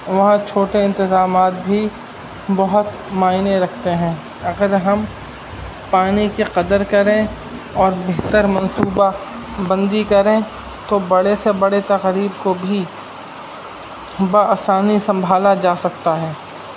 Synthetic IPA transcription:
ʋɐɦãt͡ʃʰoːʈeɪ̃nt̪ɪzaːmaːt̪̚bʱi | bɐɦʊt̪ | maːɪneɾɐkʰt̪eɦɛ̃ː | ɐɡəɾɦɐm | paːnikeqɐd̪əɾkɐɾẽ | ɔːɾbeɦt̪əɾmɐ̃nsuːba | bɐ̃nd̪ikɐɾẽ | t̪obɐɽesebɐɽet̪ɐqɾiːbkobʱi | baaːsaːnisɐ̃mbʱaːlad͡ʒaːsɐkt̪aɦɛː

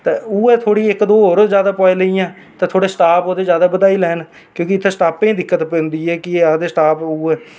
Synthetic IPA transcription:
t̪euːɛːt̪ʰoːɽiːɪkd̪oːoːɾzjaːd̪aːpaːiːləijãː | t̪ẽːt̪ʰoːɽeːsʈaːpoːd̪eːd͡ʒjaːd̪aːbəd̪aːiːlɛːn | kjõːkɪɪt̪ʰːeːsʈaːpẽːd̪ɪkːət̪pɛ̃ːnd̪iːɛːkɪeːad̪eːsʈaːpuːɛː

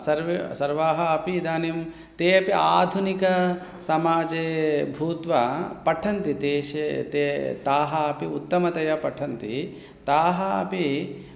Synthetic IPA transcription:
sɐɾʋsɐɾʋaːɦɐːpid̪aːnim | t̪eːɐpiʔaːd̪ʱunikɐ | sɐmaːd͡ʒeːbʱuːt̪ʋɐpɐʈʰɐnt̪it̪eːʃet̪et̪aːɦɐɐpiut̪ːɐmɐt̪ɐjɐpɐʈʰɐnt̪i | t̪aːɦɐɐpi

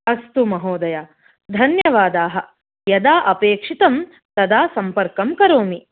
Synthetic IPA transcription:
ɐst̪umɐɦoːd̪ɐja | d̪ʱɐnjɐʋaːd̪aːɦɐ̆ | jɐd̪aːʔɐpeːkʂit̪ɐm | t̪ɐd̪aːsɐmpɐɾkɐmkɐɾoːmi

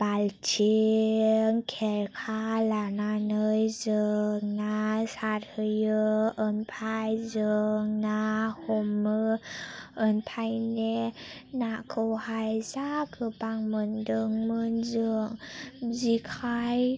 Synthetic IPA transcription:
b̥alt͡ʃe | ŋkʰeɾkʰalananɯjzɯŋnasaɾhɯjɯɯnpʰajzɯŋnahɔmɯː | npʰajnenakʰɯwhajzakʰɯpaŋmɯndɯŋmɯnzɯŋzikʰaj

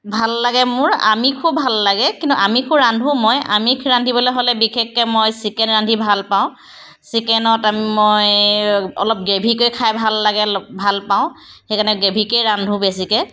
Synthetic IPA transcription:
bʱalːaɡɛmʊɹa̰mikʰubʱalːaɡɛkĩntṵʔamikʰuɹandʱũmɔja̰mikʰɹandʱibɔleɦolɛbikʰekːɛmojsikɛnɹandʰʱibʱalpaʊ̃ | sikɛnɔtamimoj | ɔ̰lɔp̚ɡebʱikojkʰajbʱalːaɡɛbʱalpaʊ̃ | xejkʰanɛɡebʱikejɹandʱũbes̬ikɛ

